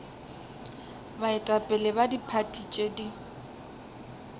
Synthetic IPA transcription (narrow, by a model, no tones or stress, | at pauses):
baɪtʼapʼɛlɛbadipʰatʼit͡ʃʼedi